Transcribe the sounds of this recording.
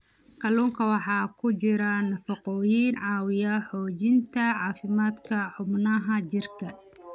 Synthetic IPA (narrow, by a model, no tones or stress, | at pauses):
kɐluːŋkʰɐwɑħɑːkʰʊt͡ʃɪɾɐnɐfɑqɔːjiːnʕɑːwɪjɐħɔːt͡ʃɪnt̪ʰɐʕɑːfɪmaːd̪kʰɐħʊbnɐɦɐt͡ʃɪrkʰɐ